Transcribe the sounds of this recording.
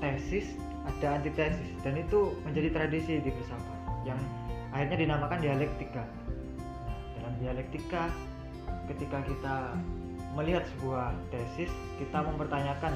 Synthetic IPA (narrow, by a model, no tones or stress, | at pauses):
t̪ɛsɪs | adaːnt̪it̪ɛsɪsdanit̪uməɲd͡ʒadit̪ɾadisidibərsawajaŋahirɲadinamakandialɛk̚t̪ika | dalandialɛk̚t̪ika | kət̪ikakit̪a | məliɦat̪̚səbuaht̪ɛsɪs | kit̪aməmpərt̪aɲakan